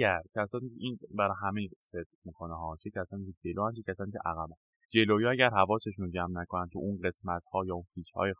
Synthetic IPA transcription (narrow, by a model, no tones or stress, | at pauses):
æɾcʰæsɒːniceʔiːnbæɾɒɦæmejised̪̥̚miːkʰoneɦɒːt͡ʃʰecʰæsɒːniːced͡ʒe̞loːænt͡ʃʰecʲæsɒːniːcʰeʔæɣæbæn | d͡ʒe̞loːjɒæɟæɾɦævɒːseʃunod͡ʒæmnækʰonænt̪ʰṵʔunɢe̞smæt̪hɒːjɒːunfiːt͡ʃhɒ̰ːje